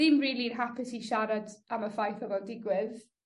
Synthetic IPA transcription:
ɪmriːlˠinɦapʰɪsiʃaɾadaməfajθɔvɔdɪɡwɪð

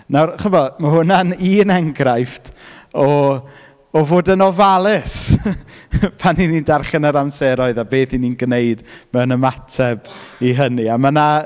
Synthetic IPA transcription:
nawrχəbɔmahʊnaniːnɛŋɡrajftɔ | ɔvoːdənɔvalˠɪs | pʰaninindarχɛnəɾamsɛɾɔɨðabeːθininɡnejdmɛwnəmatʰɛbiɦəniamana

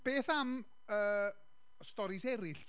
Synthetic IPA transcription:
b̥eːθam | əː | stɔɾɪsɛɾɪɬtʰ

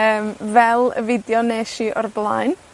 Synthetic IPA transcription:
əːmvɛlˠə̰vɪdjɔneʃiːʔɔrblˠaːjn

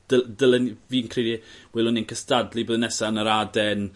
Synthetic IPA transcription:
d̥ədəlˠənviːnkʰridiwɪlˠʊninkʰəstadliboːðənɛsanəɾadɛn

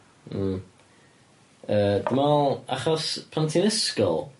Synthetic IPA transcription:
m̩ | əːdəmalˠa̰χɔspʰantʰinɪskɔ̰lˠ

